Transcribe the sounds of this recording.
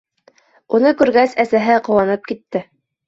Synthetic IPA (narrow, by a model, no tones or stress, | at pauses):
unɤkʉɾɡæsæsæɦɘqŏwɑnɤp̚kit̪ːɘ